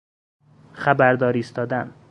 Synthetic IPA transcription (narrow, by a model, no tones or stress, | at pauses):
xæbæɾd̪ɒːɾiːst̪ɒːd̪æn